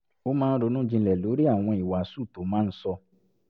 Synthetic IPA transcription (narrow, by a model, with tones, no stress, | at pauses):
o˦mãː˦˧n̩˦ɾo˨˧˦nũ˦d͡ʒĩ˧lɛ˨lo˨˦ɾi˦a˦˨w̃ɔ̃˧i˨wa˨su˦˨to˨˦mãː˦˧n̩˦sɔ˧